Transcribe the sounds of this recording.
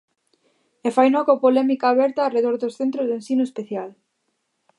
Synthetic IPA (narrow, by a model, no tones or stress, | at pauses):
efajnɔkopolɛmikaːβɛɾt̪aːreðoɾðosθent̪ɾozðensinʊespeθjal